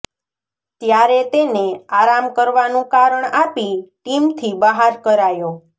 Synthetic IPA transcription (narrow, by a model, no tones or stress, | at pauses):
t̪jaɾet̪eneaɾamkəɾʋanũkaɾəɳapiʈimt̪ʰibəɦaɾkəɾajõ